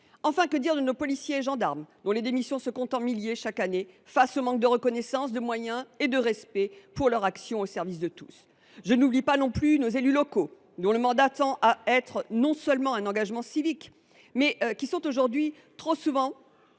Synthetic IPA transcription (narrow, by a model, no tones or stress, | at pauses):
ɑ̃fɛ̃kəd̪iʁd̪ənopɔlisjeːʒɑ̃d̪aʁmd̪ɔ̃led̪emisjɔ̃səkɔ̃t̪ɑ̃miljeʃakanefasomɑ̃k̚d̪əʁəkɔnɛsɑ̃sd̪əmwajɛ̃ed̪əʁɛspɛpuʁlœʁaksjɔ̃osɛʁvis̬d̪ət̪us | ʒənublipanɔ̃plynozelylɔko | d̪ɔ̃ləmɑ̃d̪at̪ɑ̃ʔaɛt̪χnɔ̃sœlmɑ̃ɛ̃nɑ̃ɡaʒmɑ̃sivik | mɛʔkʲisɔ̃t̪oʒuʁd̪ɥi | t̪χosuvɑ̃